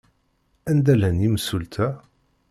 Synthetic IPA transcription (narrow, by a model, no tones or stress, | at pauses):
ænd̪ælænjiməsult̪ʰæ